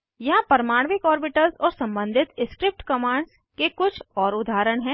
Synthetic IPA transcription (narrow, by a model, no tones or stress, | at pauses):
jɐɦãpɐɾəmaːɽ̃ʋɪkɔːɾbɪʈəlzɔːɾsɐ̃mbə̃nd̪ʱɪt̪ɪskɾɪp̚ʈkɐmaːɳɖs | kekʊt͡ʃʰɔːɾʊd̪ʱaːɾəɽ̃ɦɛ̃ː